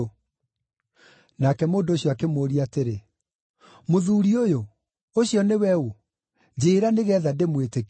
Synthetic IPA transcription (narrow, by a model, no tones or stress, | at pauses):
nakɛmoːndoɕjɔakemoːɾiateɾe | moðuːɾiojo | oɕjɔnewɛo | d͡ʑeːɾaneɣɛːðademwetek